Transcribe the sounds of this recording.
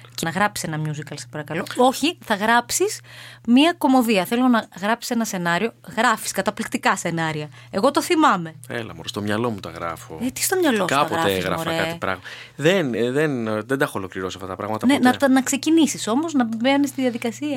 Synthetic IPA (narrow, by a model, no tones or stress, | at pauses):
cenɐɣɾɐpsi̥se̞nɐmɲuzikɐlsɐ̥spɐɾɐkɐlo̞o̞çiθɐɣɾɐpsismiɐko̞mo̞ðiɐθelonɐɣɾɐpsi̥se̞nɐse̞nɐɾio̞ɣɾɐfi̥skɐt̪ɐplikt̪ikɐse̞nɐɾiɐ | e̞ɣo̞t̪o̞θimɐme̞ḛlɐ̰mo̰ɾst̪o̞mɲɐlo̞mut̪ɐɣɾɐ̰fo̰et̪i̥st̪o̞mɲɐloskɐɐpoɾɐt̪eɣɾɐ̰ofɾekɐt̪ipɾɐ̰ɣmɐ | ðenðenðed̪ɐxolo̞kliɾosɐft̪ɐt̪ɐpɾɐ̰mɐt̪ɐnenɐt̪nɐkse̞cinisiso̞mo̞znɐbenist̪iðiɐðikɐsiɐ